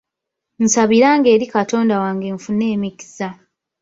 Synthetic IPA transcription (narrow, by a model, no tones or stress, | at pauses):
n̩saβiɾaːŋɡe̞ːɾikato̞ːndawaːŋɡeɱfunːe̞ːmiki̥sa